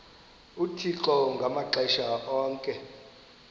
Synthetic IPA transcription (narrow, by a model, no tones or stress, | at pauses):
utʰiǁɔŋɡʱamaǁɛʃaɔːŋkʼɛ